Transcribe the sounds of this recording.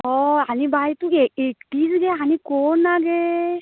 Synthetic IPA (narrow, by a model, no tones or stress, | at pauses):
ɔanibat̪ueekʈizɡɛɦanikɔnːaɡɛ